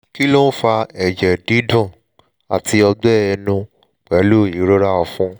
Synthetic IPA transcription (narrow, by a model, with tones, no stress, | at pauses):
ki˦lo˦n̩˦fa˧ɛ˨d͡ʒɛ˨di˨˦dũ˦˨ | a̰˨ti˧ɔ˧ɡ͡bɛ˦ɛ˧nũ˧ | k͡pɛ˨˦lu˦˨ĩ˨˦ɾo˦ɾa˦ɔ˧fũ˦